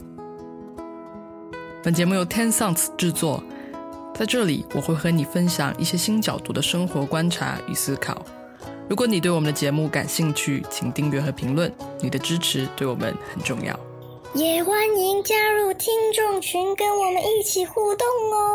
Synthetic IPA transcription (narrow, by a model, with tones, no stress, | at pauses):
pə˨˩nt͡ɕjɛ˧˥mu˥˩jo˧˩ʊt̪ʰjɛ˥nsɑ˥˩ŋt͡s̩ʰ˨˩ʈ͡ʂɻ̩˥˧t͡swɔ˥˩ | t͡sa˥˧ɪʈ͡ʂɤ˥˩lḭ˨˩wɔ˨˩xwe˥˩ɪxɤ˧˥ni˨˩fə˥nɕjɑ̰˨˩˦ŋʔḭ˥˩ɕjɛ˥ɕi˥nt͡ɕjɑ˨˩ʊt̪ṵ˧˥d̪ə˧ʂɤ˥ŋxwɔ˧˥kwa˥nʈ͡ʂʰa̰˧˥y̰˨˩sɹ̩˥kʰɑ̰˨˩˦ʊ | ɻu˧˥k̬wɔ˧˥˦ni˨˩t̪we˥˩ɪwɔ˨˩˧nd̪ə˧t͡ɕjɛ˧˥mu˥˩ka̰˨˩nɕi˥˧ŋt͡ɕʰy˥˩t͡ɕʰi˨˩ŋt̪i˥˧ŋlɥɛ˧˥xɤ˧˥pʰi˧˥ŋlwə˥˩nni˨˩d̪ə˦ʈ͡ʂɻ̩˥ʈ͡ʂʰɻ̩˧˥t̪we˥˩ɪwɔ̰˨˩mə̰˧˦nxə˨˩nʈ͡ʂʊ˥˧ŋjɑ̰˥˩ʊ | jɛ˨˩xwa˥ni˧˥nt͡ɕja˥ɻu˥˩t̪ʰi˥ŋʈ͡ʂʊ˥˩ŋt͡ɕʰy˧˥nkə˥nwɔ˨˩mə˦ni˥˩t͡ɕʰi˨˩xu˥˧t̪ʊ˥˩ŋɔ˧